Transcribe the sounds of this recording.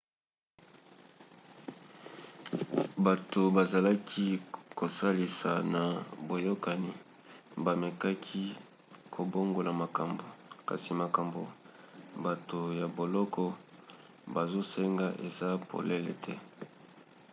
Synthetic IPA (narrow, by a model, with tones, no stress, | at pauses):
ba˨to˨ba˨za˨la˦kʰi˦ko˨sa˦li˨sa˨na˨bo˨jo˦ka˨ni˨ | ba˨mɛ˨ka˦kʰi˦ | kʰo˨bo˦ŋɡo˨la˨ma˨ka˨mbo˨ka̰˨si˨ma˨ka˨mbo˨ | ba˨to˨ja˨bo˨lɔ˦kʰɔ˦ | ba˨zo˦se˦ŋɡa˦ʔe˨za˦pʰo̰˨le˦lḛ˨tʰɛ˦